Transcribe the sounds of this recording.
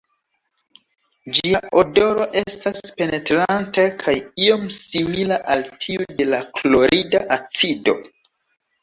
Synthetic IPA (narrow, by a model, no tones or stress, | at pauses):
d͡ʒiaʔodo̞ɾo̞ʔe̞staspe̞ne̞tɾantakʰajio̞msimilaʔaltʰiude̞laklo̞ɾidaʔat͡sido̞̰